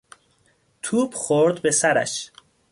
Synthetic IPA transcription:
t̪ʰuːbxoɾd̪be̞sæɾæ̰ʃ

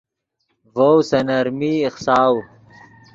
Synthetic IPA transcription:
vowsɐnɐɾmiːχsaːw

